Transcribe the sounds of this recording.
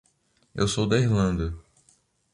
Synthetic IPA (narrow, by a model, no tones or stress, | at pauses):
ḛwsowd̪ɐiɦlɐ̃nd̪ɐ